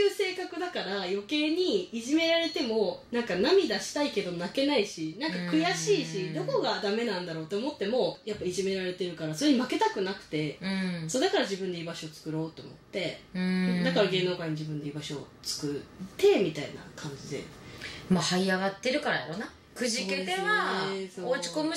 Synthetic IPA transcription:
ɯːse̞ːkakɯ̟d̪akaɾajo̞ke̞ːɲ̟iːʑime̞ɾaɾe̞t̪e̞mo̞nãŋkanamʲid̪aɕi̥t̪aike̞d̪o̞nake̞naiɕinãŋkakɯ̟jaɕiːɕid̪o̞ko̞ɡad̪ame̞nãnd̪aɾo̞ːt̪ːe̞omo̞t̪ːe̞mo̞japːaiʑime̞ɾaɾe̞t̪e̞ɾɯ̟kaɾaso̞ɾeɲ̟imake̞t̪akɯ̟nakɯ̟̥t̪e̞ɯ̃sod̪akaɾaʑibɯ̟nd̪e̞iːbaɕo̞ːt͡sɨ̥kɯ̟ɾo̞ːt̪ːe̞o̰mo̞̰t̪ːẽ̞ | d̪akaɾaɡe̞ːnoːkaiɲ̟id͡ʑibɯ̟ne̞iːbaɕo̞̰ | t͡sɨ̥kɯ̟t̪ːe̞mʲit̪aḭna̰kʰãɲ̟d͡ʑid̪e̞̰mahaiaɡat̪ːe̞ɾɯ̟kaɾaja̰ɾo̞na | kɯ̟ʑike̞t̪e̞βasoot͡ɕi̥ko̞mɯ̟

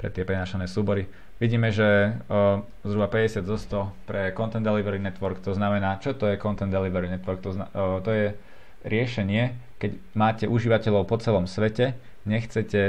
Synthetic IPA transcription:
pɾɛ̰t̪ɪɛpɾɛnaːʃanɛːsuːbɔɾi | ʋiɟiːmɛʒɛ | zɾubapɛɟɛsɪad̪zɔst̪ɔpɾɛkɔnt̪ɛnd̪ɛliʋɛɾinɛt̪ʋɔɾkt̪ɔznamɛnaːt͡ʃɔt̪ɔjɛkɔnt̪ɛnd̪ɛliʋɛɾinɛt̪ʋɔɾk̚t̪ɔt̪ɔjɛ | ɾɪɛʃɛɲɪɛkɛɟ | maːcɛʔuʒiːʋacɛʎɔʊpɔt͡sɛlɔmsʋɛcɛ | ɲɛxt͡sɛcɛ

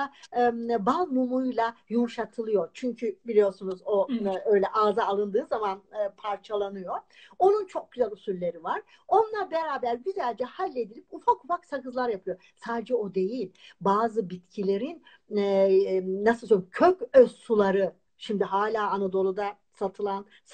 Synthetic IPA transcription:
balˠmumujlˠajumuʃat̪ʰɯlˠɯjo̞t͡ʃʰyɲcʰybilʲijo̞sunuzo̞ø̞jlʲɛʔaːzaːlˠɯnd̪ɯːzamanɯːpʰaɾt͡ʃʰalˠanɯjo̞ | o̞nunt͡ʃʰo̞k̚ɟ̥yzælʲysyɾlʲe̞ɾivaɾ̥ | o̞nlˠabeɾaːbæɾbyzælʲd͡ʒɛhalʲːe̞d̪ilʲipufakufaksakɯzlˠaɾjapʰɯjo | saːd̪ed͡ʒɛo̞d̪e̞jilʲbaːzɯbit̪cʰilʲe̞ɾin | nːasɯlˠsomcʰøcøsːulˠaɾɯ | ʃimd̪iɦaːlʲaːnad̪o̞lˠud̪a | sat̪ʰɯlˠan

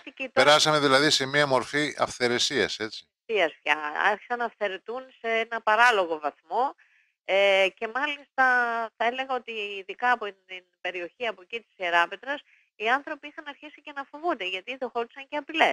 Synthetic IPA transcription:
ɐt̪icit̪eɾɐsɐme̞ðilɐðise̞miɐmo̞ɾfiɐ̰fθe̞ɾe̞siɐse̞t͡si̥ | iɐsfçɐɐ̰ɾçi̥sɐnɐːfθe̞ɾe̞t̪unse̞enɐpɐɾɐlo̞ɣo̞vɐθmo̞ | ece̞mɐlist̪ɐθɐe̞le̞ɣɐo̞t̪iːðikɐːpot̪inb̥e̞ɾio̞çiɐpo̞cit̪i̥sieɾɐpe̞t̪ɾɐs | iɐnθɾo̞piixɐnɐɾçisice̞nɐfo̞vund̪eʝɐt̪iðoxo̞t̪isɐɲceɐpile̞s

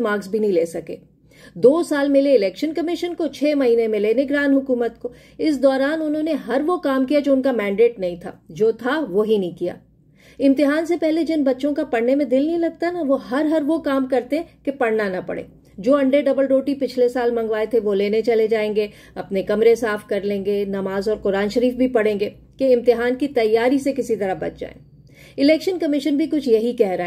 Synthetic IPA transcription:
maːɾɡsbʱinɐɦĩleːsɐkḛː | d̪oːsaːlmɪleɪlɛːkʃənkɐmɪʃənkot͡ʃʰeːmɐɦiːnemẽleːnɪɡɾaːnɦʊkuːmət̪ko | ɪs̬d̪ɔːɾaːnʊnɦõneɦɐɾʋokaːmkijad͡ʒoːʊ̃nkamɛ̃ːɳɖeːʈnɐɦĩt̪ʰa̰ːd͡ʒoːt̪ʰaʋoɦinɐɦĩkija̰ː | ɪ̃mt̪ɪɦaːnsepɛɦled͡ʒɪnbɐtːʃõkapɐɽnemẽd̪ɪlnɐɦĩlɐɡ̚t̪anaʋoɦɐɾɦɐɾʋokaːmkɐɾt̪eɦɛ̃kepɐɽnanɐpɐ̰ɽḛː | d͡ʒoːɐ̃ɳɖeɖɐbəlɾoːʈipɪt͡ʃʰlesaːlmɐ̃ŋɡʋaːet̪ʰeʋoleːnet͡ʃɐled͡ʒaːẽːŋɡe | ɐpnekɐmɾesaːfkɐɾlẽːŋɡenɐmaːzɔːɾqʊɾaːnʃɐɾiːfbʱipɐɽẽːŋɡeː | keɪ̃mt̪ɪɦaːnkit̪ɐjːaːɾisekɪsit̪ɐɾəɦbɐ̰t͡ʃd͡ʒa̰ːḛ̃ː | ɪlɛːkʃənkɐmɪʃənbʱikʊt͡ʃʰjɐɦikɛɦɾaɛ

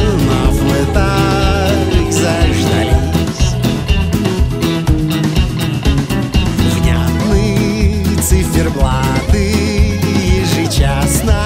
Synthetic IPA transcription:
navlɛt̪a | zɐʐd̪ɐjisʲ | vnʲat̪nɨ | t̪sɨfʲɪrblˠad̪ɨ | jɪʐɨt͡ɕasnɐ

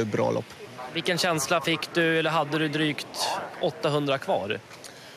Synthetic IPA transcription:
bɾɑ̰ːlɔ̰pːvɪlkənɕɛnslafɪkːd̪ɵɛlːəɾɦad̪ːəd̪ɵd̪ɾyːkt̪ʔɔt̪ːaɦɵnd̪ɾakʰvɑ̰ːɾ

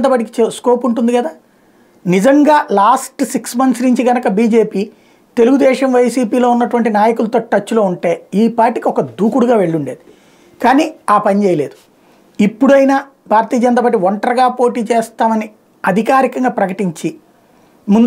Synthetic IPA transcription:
nt̪aːpaːʈ̬ikit͡ʃeskoːpuɳʈund̪iɡɐd̪aː | nid͡ʒɐŋɡaːlaːsʈsiksmɐnsnuɲt͡ʃiɡɐnɐkɐbiːd͡ʒe̞ːpiː | t̪e̞luɡud̪ɛːʃɐmʋɐjsiːpiːlo̞ːunːɐʈuʋɐɳʈinaːjɐkulɐt̪o̞ːʈːɐt͡ʃːulo̞ːuɳʈe̞ːiːpaːɾʈikiɔkɐd̪ʱuːkuɽuɡaːʋe̞ɭːuɳɖeːd̪i | kaːniːaːpɐnit͡ʃeːjɐle̞ːd̪u | ipːuɽuɐjnaː | bʱaːɾɐt̪iːɐd͡ʒɐnt̪aːpaːʈ̬ːiʋɔɳʈɐɾɐɡaːpo̞ːʈiːt͡ʃeːst̪aːmɐni | ɐd̪ʱikaːɾikɐŋɡaːpɾɐkɐʈiɲt͡ʃi | mund̪

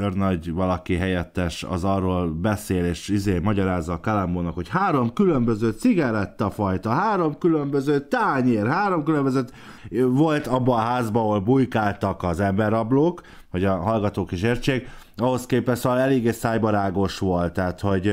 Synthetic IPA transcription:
ørnɒɟʋɒlɒkiɦɛjɛt̪ːɛʃɒ̰zɒrːoːlbɛseːleːʃizeːmɒɟɒɾaːzːɒːkalamboːnɒkho̞chaːɾo̞mkylø̞mbøzøːt̪siɡɛɾɛt̪ːɒfɒjt̪ɒɦaːɾo̞mkylømbøzøːt̪aːɲeːrhaːɾo̞mkylømbøzøt̪ | vo̞lt̪ɒbːɒːɦaːzbɒːɦolbujkaːlt̪ɒkɒzɛmbɛɾɒbloːk | hoɟɒɦɒlɡɒt̪oːkeːʃeːrt͡ʃeːɡɒɦo̞skeːpɛʃt̪soːʋɒlɛleːɡeːsaːjbɒɾaːɡo̞ʃʋo̞lt̪ːaːt̪ho̞ɟ

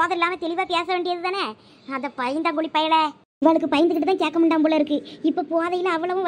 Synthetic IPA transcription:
ðɐɪlːaːmɐt̪ɛɭɪʋaːpeːsɐʋeːɳɖɪɾɐðɯðaːnɐ | ɐnðɐpɐjɐnd̪aŋɡʊɭipːɐjɐɭɛ | ɪʋaːɭɯkːɯpɐjɐnd̪ɯkːɪʈːɯt̪aːkeːɾkːɐmɐɳɖaːmpoːɭɐɪɾɯkːɯɪpːopoːaðɐjɪlɐ̃ɐʋːɐɭɐʋɯ̃

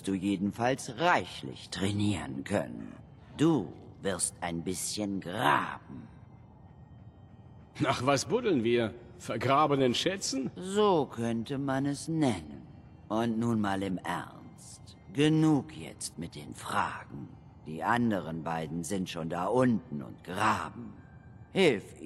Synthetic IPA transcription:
std̥uːjeːdn̩falsʁaɪçlɪ̰çtʁ̥ɛniːʁənkʰœ̰nə̰n | d̥uːvɪɐstaɪnbɪsçənɡʁa̰ːb̚m̩ | naːχv̥asb̥ʊdl̩nviːɐfɛɐɡʁaːbənənʃɛt͡sn̩zoːkʰœntəmanɛsnɛnən | ʔʊntnuːnmaːlɪmʔɛ̰ʁnstɡ̥ənuːkjɛ̰t͡stmɪt̚d̥eːnfʁ̥a̰ːɡŋ̩ | d̥ḭːʔandəʁənbaɪdn̩zɪntʃoːndaʔʊntn̩ʊ̰ntɡ̥ʁaːbm̩ | hɪlf

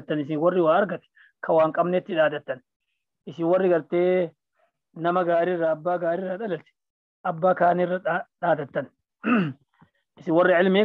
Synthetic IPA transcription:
t̪ːɐnɪs̬ɪwɔrːɪwaːɐɾɡɐt̪ɛ̥ | kʰɐwaːŋkʼɐbnɛt̪ːɪᶑaːd̪ɐt̪ːɐn | ɪsɪnwɔrːɪɡɐɾt̪eː | nɐmɐɡaːɾɪrːaːbːaːɡaːɾɪrːɐᶑ̪ɐlɐlt̪ɛ̥ | ʔɐbːaːkaːnɪrːɐᶑaːd̪ɐt̪ːɐn | ʔɪsɪwɔrːɪʕɪlme

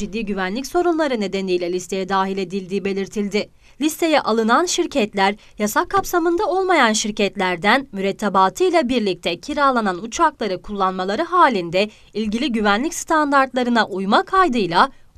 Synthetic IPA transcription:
id̪ːiːɟyvænlʲicso̞ɾunlˠaɾɯne̞d̪e̞nijlʲɛlʲist̪ʰe̞jɛd̪aːɦilʲe̞d̪ilʲd̪iːbe̞lʲiɾt̪ʰilʲd̪ɪ | lʲist̪ʰe̞jɛʔalˠɯnanʃiɾcʰɛt̪lʲæɾ | jasakʰːapsamɯnd̪ao̞lˠmajanʃiɾcɛt̪lʲæɾd̪ænmyɾɛt̪ʰːabaːt̪ʰɯjlˠabiɾlʲic̚t̪ʰɛcʰiɾaːlˠananut͡ʃʰaklˠaɾɯkʰulˠːanmalˠaɾɯɦaːlʲind̪ɛ | ilʲɟilʲiɟyvænlʲicst̪ʰand̪aɾt̪lˠaɾɯnaʔujmakʰajd̪ɯjlˠa

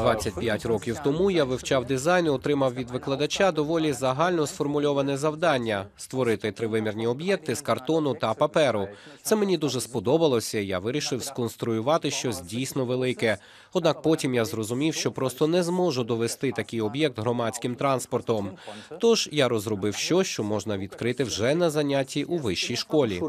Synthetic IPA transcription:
d̪ʋat͡sʲːɐtʲpʲjatʲrɔkʲiwt̪ɔmujaʋɪwt͡ʃɑwd̪ɪzɑjnɪɔt̪ɾɪmɐwʋʲid̪ʋɪklˠɐd̪ɐt͡ʃad̪ɔʋɔlʲizɐɦɑlʲnɔsfɔrmʊlʲɔʋɐnɛzɐwd̪ɑnʲːɐst̪ʋɔɾɪt̪ɪt̪ɾɪʋɪmʲirnʲiɔbjɛk̚t̪ɪskɐrt̪ɔnʊt̪ɐpɐpɛɾʊt̪sɛmenʲid̪uʒɛspɔd̪ɔbɐlˠɔsʲɐija̰ʋɪɾʲiʃɪwskɔnst̪ɾʊjʊʋɑt̪ɪʃt͡ʃɔsʲdʲijsʲnɔʋelˠɪkɛ | ɔd̪nɑk̚pɔtʲimjazrɔzʊmʲiwʃt͡ʃɔpɾɔst̪ɔnɛzmɔʒʊd̪ɔʋest̪ɪt̪ɐkʲɪjɔbjɛk̚t̪ɦɾɔmɑt͡sʲkɪmt̪ɾɑnspɔrt̪ɔmt̪ɔʒ̥jaɾɔzɾɔbɪwʃt͡ʃɔt͡ʃɔmɔʒnɐʋʲid̪kɾɪt̪ɪwʒɛnɐzɐnʲatʲːiʔuʋɪʃt͡ʃːijʃkɔlʲi

